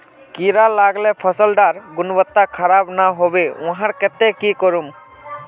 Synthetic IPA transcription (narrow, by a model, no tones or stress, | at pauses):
kiɾalaɡlɛpʰəsəlɖaɾɡʊnbət̪ːakʰəɾabnaɦobeʊ̃ɦãɾkɛt̪ɛkikɔɾum